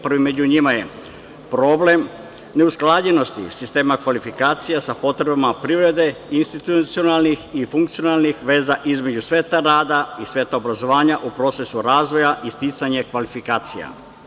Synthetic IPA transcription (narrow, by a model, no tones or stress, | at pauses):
pr̩ʋimed͡ʑuɲimaje̞ | pɾo̞ble̞m | ne̞usklˠaːd͡ʑeno̞st̪ḭsist̪e̞ːmakʋalifikaːt̪sijasapo̞t̪ɾe̞bamapɾiʋɾe̞d̪e̞inst̪it̪ut̪sio̞nalˠnixifuŋkt̪sio̞nalnixʋe̞ːzaʔizmed͡ʑusʋe̞ːt̪aɾaːd̪aisʋe̞ːt̪aobɾazo̞ʋaːɲaʔupɾo̞t̪se̞suɾaːzʋo̞jaʔist̪it̪saɲekʋalifikaːt̪sija̰